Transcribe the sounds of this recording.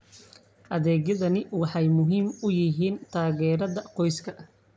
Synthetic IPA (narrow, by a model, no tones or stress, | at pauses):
ʔɐðɛːɡɐðɐnɪwɑħɑjmʊɦiːmʊjɪɦiːnt̪ʰaːɣɛːɾɐðɐqɔjskʰɐ